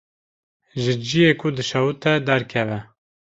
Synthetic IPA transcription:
ʒɨd͡ʒijekʰud̪ɨʃɑwut̪ɛd̪æɾkʰɛvɛ

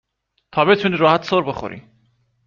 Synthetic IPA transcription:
t̪ʰɒːbe̞t̪ʰuːniːɾɒːhæt̪ʰsoɾbexo̰ɾḭ

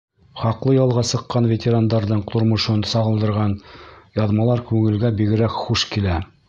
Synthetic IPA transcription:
χɑqlˠɤjɑlˠʁɑsɤ̆qːɑnvʲet̪ʲeɾand̪ɑɾðɤɴt̪ŏɾmŏʃɤnsɑʁɤ̆lˠd̪ɤ̆ɾʁɑnjɑðmɑlˠɑɾkʉŋɘ̆lɡæbiɡɘ̆ɾækχuʃkilæ

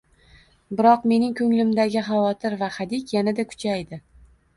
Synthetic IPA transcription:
bɪɾɒqme̞nɪŋkʰɵŋlɪmd̪aɡʲɪχavɒt̪ʰɪɾvaχad̪ɪkʲjanad̪akʰʊ̥t͡ʃʰajd̪ɪ

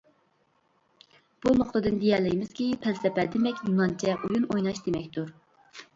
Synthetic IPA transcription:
b̥unoχt̪ɨd̪ɨnd̪ijɛlːɪjmɪz̥kʲipʰɛlsɛpæd̪emɛkʲnunɑnt͡ʃʰɛʔujunojnɑʃd̪emɛkʲt̪uɾ

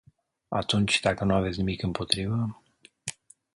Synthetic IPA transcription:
a̰t̪unt͡ʃʲd̪akənuavetsʲnimikɨmpʰo̞t̪ɾivə

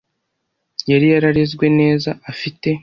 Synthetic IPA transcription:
jaɾijaɾaɾezɡwe̞ne̞ːzaːfite̞

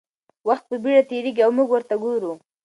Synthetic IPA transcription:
waxt̪̚pəbiɽat̪eɾeɡiawmuɡwəɾt̪aɡoɾu

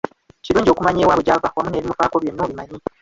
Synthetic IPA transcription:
ciɾuːɲɟio̞kumaɲeːwaβuɟavawamuneβimupaːko̞βje̞nːoːβimaɲi

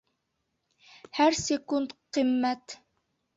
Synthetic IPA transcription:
hæɾsʲekundt̪qɨmːæt̪

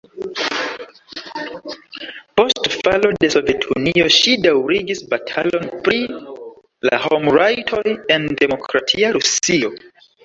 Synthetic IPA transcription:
po̞stfalo̞de̞so̞ve̞tʰṵnio̞ʃidawɾiɡisbatʰalo̞npɾi | la̰homɹajtʰojendemo̞kʰɾatʰiaɾusio̞

